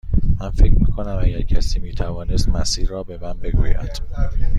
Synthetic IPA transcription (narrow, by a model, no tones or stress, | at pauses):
mænfe̞cʰɾmiːkʰonæmæɟæɾcʰæsiːmiːt̪ʰævɒːnest̪mæsiːɾːɒːbe̞mænbe̞ɡuːjæ̰d̪̥